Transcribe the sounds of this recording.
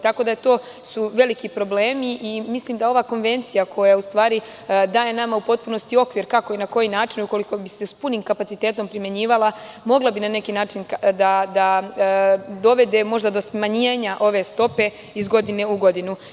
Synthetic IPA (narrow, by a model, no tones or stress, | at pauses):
t̪ako̞d̪aet̪o̞ː | suʋe̞likipɾo̞ble̞ːmiʔimisliːmd̪ao̞ʋako̞nʋe̞nt̪sijakʰo̞jaust̪ʋaːɾi | d̪aːje̞namaupo̞t̪̚puno̞st̪io̞kʋiɾkako̞inako̞jinaːt͡ʃinuko̞liko̞bisespuniːmkapat̪sit̪e̞ːt̪o̞mpɾimje̞ɲiːʋalˠa | mo̞ɡlˠabinane̞kinaːt͡ʃind̪ad̪a | d̪o̞ʋe̞d̪e̞mo̞ʒd̪ad̪o̞smaɲijeːɲaʔo̞ʋe̞st̪o̞pe̞ | izɡo̞d̪ineuɡo̞d̪inu